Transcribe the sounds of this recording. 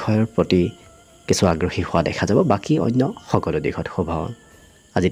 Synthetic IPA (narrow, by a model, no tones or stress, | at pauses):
ɔjɔɹpɹoti | kisʊaɡɹɔxihʊwadɛ̰kʰazabɔbakiɔ̰jnːɔxɔkɔludikʰɔtxubʱɔɔ̰n | azi